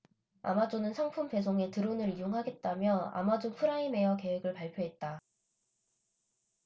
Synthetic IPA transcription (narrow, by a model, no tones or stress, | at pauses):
a̰mad͡ʑonɯnsʰʌŋpʰumpe̞s̬ʰoŋe̞tɯɾonɯɾijoŋɦaɡe̞t̚t͈amjʌa̰mad͡ʑopʰɯɾaime̞jʌke̞we̞ɡɯɭpaɭpʰjoɦe̞t̚t͈a